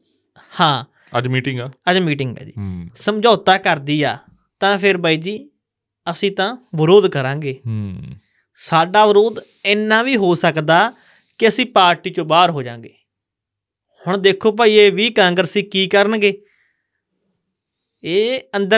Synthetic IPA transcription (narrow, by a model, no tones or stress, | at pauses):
hãː | əd͡ʒmiːʈɪŋɡaːəd͡ʒmiːʈɪŋɡa̰ːd͡ʒḭːsəmd͡ʒaːt̪aːkəɾd̪iːa̰ː | t̪ãːpʰɪɾbaːiːd͡ʒiː | əsĩːt̪ãːʋəɾoːd̪kəɾãːɡeː | saːɖaːʋəɾoːd̪ | ɪnːãːʋiːɦoːsəkd̪aː | kɪəsĩːpaːɾʈiːt͡ʃõːbaːɾɦoːd͡ʒã̰ːŋɡeː | hʊɳd̪eːkʰːoːp̬aːiːeːʋiːkãːŋɡɾəsiːkiːkəɾənɡeː | eːənd̪ə